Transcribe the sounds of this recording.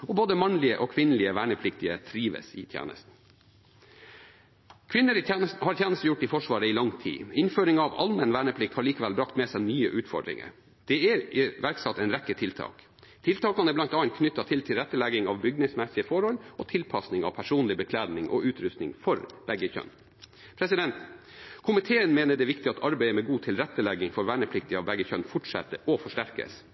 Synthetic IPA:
ɔboːd̪əmɑnlɪəʔɔkʰʋɪnəlɪəʋæːɳəpʰlɪkt̪ɪət̪ʰɾiːʋə̰sɪ̰t̪ʰjæ̰ːnə̰st̪n̩ | kʰʋɪnːəɾit̪ʰjæːnəst̪n̩hɑɾt̪jæːnəst̪əjʊʈːɪfɔʂʋɑːɾəɪlɑŋt̪ʰḭːɪnføːɾɪŋɑʋɑ̰lmɛnʋæːɳəpʰlɪk̚t̪hɑɭiːkɑʋælbɾɑkt̪mɛsænyːəʔʉːt̪fɔ̰ɖɾɪ̰ŋə̰ɾ | d̪̥ɛæɾɪʋæɾksɑt̪ːɛnɾɛkːət̪ʰɪlt̪ʰɑ̰ːk | t̪ʰɪlt̪ʰɑːkɑnɛb̪ɑnt̪ɑːnt̪̚kʰnʏt̪ːɑt̪ʰɪlt̪ʰɪlɾɛt̪ːəlɛɡɪŋɑʋbʏɡ̚nɪŋsmɛsɪəfɔɾhɔlɔt̪ʰɪlpʰɑsnɪŋɑ̰ʋpʰæʂuːnlɪbəkʰlæːd̪nɪŋʔɔ̰ʉːt̪ɾʉst̪nɪ̰ŋfɔɾb̥ɛɡːəçœ̰n | pʰɾɛsɪd̪ɛnt̪ | kʰʊmɪt̪ʰeːənmeːnəɖɛʋɪkt̪ɪɑt̪ʰɑɾbæɪəmɛɡuːt̪ʰɪlɾɛt̪ːəlɛɡɪŋfɔɾʋæːɳəpʰlɪk̚t̪ɪɑʋbɛæɡəçœnfɔʈʂɛ̰t̪əʔɔfɔʂʈæɾkə̰s

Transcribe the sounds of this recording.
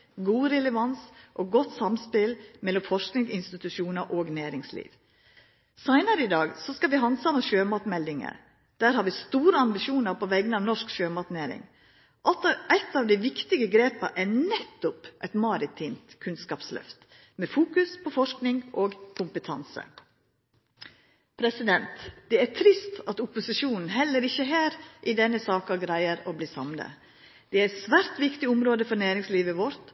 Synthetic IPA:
ɡuːɾɛlɛʋɑnsʔɔːɡɔt̪ːsɑmspɪlmɛlːɔmfɔʂknɪŋɪnst̪ɪt̪ʉʃuːnəɾʔoːɡnæːɾɪŋslḭːʋ | sæɪnəɾəɪd̪ɑːɡsɔskɑʋɪhɑnsɑməʃøːmɑt̪mɛld̪ɪŋə̰ɾ | d̪̥æːɾhɑɾʋɪst̪uːɾəɑmbɪʃuːnəɾpʰɔʋɛɡənɑːʋnɔʂkʃøːmɑt̪næːɾɪ̰ŋ | æt̪ːɑːʋd̪ɪʋɪkt̪ɪɡəɡɾeːpə̰ʔɛnɛt̪ːʊpʔæɪt̪mɑɾɪt̪ʰiːmt̪kʰʉnskɑːpslœ̰ft̪ | mɛfuːkʉspʰɔfɔʂknɪŋoːɡkʰʊmpət̪ʰɑ̰nsə̰ | pʰɾɛsɪd̪ɛnt̪d̪̥ɛæt̪ʰɾɪst̪ɑt̪ʊpʊsɪʂuːnn̩ɦɛlːəɾɪçːəɦæːɾʔɪd̪ɛnːəsɑːkɑɡɾæɪəɾobliːsɑmlə̰ | d̪̥ɛæɾɛt̪sʋæːɾt̪ʋɪkt̪ɪʊmɾoːd̪əfɔɾnæːɾɪŋsliːʋəʋɔɾt̪

